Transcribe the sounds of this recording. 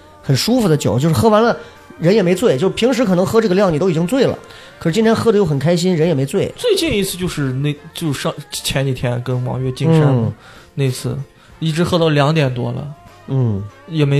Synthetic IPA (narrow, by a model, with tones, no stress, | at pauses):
xə˨˩nʂu˥fu˧˩d̪ə˩t͡ɕjo̰˨˩ʊt͡ɕo˥˧ʂɻ̩˥˧xɤ˥wa˧˥nlə˧ | ɻə˧˥njɛ˨˩me˧˥ɪt͡swe˥˩ɪt͡ɕjo˥˧ʂ̩˥˩pʰi˧˥ŋʂɻ̩˧˥kʰɤ˨˩nɤ˧˥ŋxɤ˥ʈ͡ʂɤ˥˩ɡə˩ljɑ˥˩ŋni˨˩t̪o˥ʊ˨˩t͡ɕi˥ŋt͡swe˥˩ɪlə̰˩ | kʰɤ˩ʂɻ̩˥t͡ɕi˥nt̪ʰjɛ˥nxɤ˥d̪ə˧jo˥˩ʊxə˨˩kʰa˥ɪɕi˥nɻə˧˥njɛ˨˩me˧˥ɪt͡swe˥˩ɪt͡swe˥˧ɪt͡ɕi˥˧ni˥˧t͡ssʰɹ̩˥˧t͡ɕjo˥˧ʊʂɻ̩˥˧ne˥˩t͡ɕjo˥˧ʊ˧ʂɑ˥˧˩t͡ɕʰjɛ˧˥ni˨˩t̪ʰjɛ˥nkə˥nwɑ̰˧˥ŋɥɛ˥˧t͡ɕi˥˧ŋʂa˥n˨ | ne˥˧ɪt͡sʰɹ̩˥˩ | i˥˩ʈ͡ʂɻ̩˧˥xɤ˥t̪ɑ˥˩ʊljɑ˧˥ŋt̪jɛ˨˩nt̪wɔ̰˥lə̰˨ | n̩˥˩jɛ˨˩me˧˥ɪ